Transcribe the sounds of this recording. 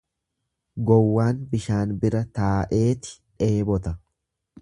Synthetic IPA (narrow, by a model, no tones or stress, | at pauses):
ɡɔwːaːnbɪʃaːnbɪɾɐt̪aːʔe̞ːt̪ɪ̥ᶑe̞ːbɔt̪ɐ